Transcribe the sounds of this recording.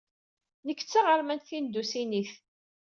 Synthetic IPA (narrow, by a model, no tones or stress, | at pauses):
nəkːt͡sːaʁəɾmænθind̪usiniθ